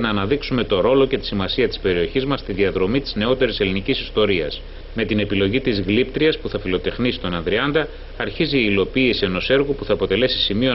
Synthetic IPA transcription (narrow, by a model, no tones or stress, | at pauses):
nɐːnɐðiksume̞t̪o̞ɾo̞lo̞ce̞t̪i̥simɐsiɐt̪i̥spe̞ɾio̞çizmɐst̪iðiɐðɾo̞mit̪i̥zne̞o̞t̪e̞ɾise̞linicisist̪o̞ɾiɐ̰s | me̞t̪ine̞pilo̞ʝit̪izɣlipt̪ɾiɐspuθɐfilo̞t̪e̞xnisi̥t̪o̞nɐnðɾiɐnd̪ɐː | ɾçiziːlo̞piːsie̞no̞se̞ɾɣopuθɐːpo̞t̪e̞le̞si̥simio̞